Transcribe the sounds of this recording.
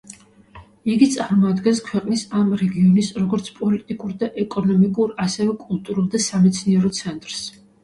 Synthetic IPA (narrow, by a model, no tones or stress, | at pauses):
iɡit̪sʼaɾmɔad̪ɡɛnskʰwɛqʼnisamɾɛɡiɔnisɾɔɡɔɾt̪sʰpʼɔlit̪ʼikʼuɾd̪aʔɛkʼɔnɔmikʼuɾasɛvɛkʼulˠt̪ʼuɾulˠd̪asamɛt̪sʰniɛɾɔt̪sʰɛnt̪ʼɾs